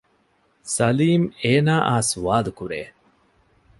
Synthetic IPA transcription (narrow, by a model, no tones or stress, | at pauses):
sɐliːmeːnaːʔaːsuʋaːlukuɾḛː